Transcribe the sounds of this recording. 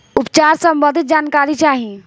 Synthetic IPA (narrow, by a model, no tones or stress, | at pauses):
upt͡ʃaɾsəmbənd̪ʱit̪̚d͡ʒankaɾit͡ʃaɦi